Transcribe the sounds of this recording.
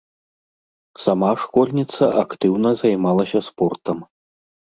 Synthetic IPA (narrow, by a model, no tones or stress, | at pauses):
samaʂkɔlʲnʲit̪sɐʔakt̪ɨwnɐzajmalˠɐsʲɐspɔrt̪ɐm